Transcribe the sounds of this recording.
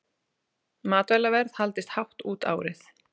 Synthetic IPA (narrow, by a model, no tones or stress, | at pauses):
maːt̪vɛlavɛɾðhalt̪ɪst̪hawht̪uːt̪a̰ːwɾɪθ